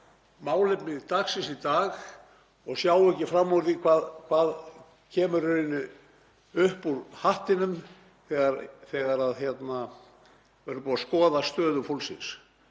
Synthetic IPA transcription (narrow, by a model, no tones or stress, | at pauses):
maːwlɪpnɪt̪axsɪnsit̪aːɣ | ɔɣsjaːwɛcːɪfɾamːɔvʏɾθikʰvaːðkʰvaːð | cʰɛːmʏɾʏɪnːʏ | ʏhpuɾhaht̪ɪnʏm | θɛːɣaɾθɛːɣaɾaðçjɛt̪na | vɛɾpuːðaskɔːðast̪œːðʏfolsɪ̰ns